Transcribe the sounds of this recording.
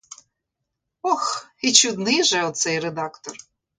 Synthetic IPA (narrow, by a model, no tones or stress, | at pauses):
ɔxit͡ʃud̪nɪjʒɛɔt̪sɛjrɛd̪ɑkt̪ɔr